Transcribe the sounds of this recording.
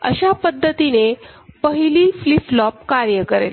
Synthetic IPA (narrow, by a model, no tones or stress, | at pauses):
ə̰ɕapəd̪ʱːət̪inepəɦiliːfliflɔp̚kaɾjəkəɾḛl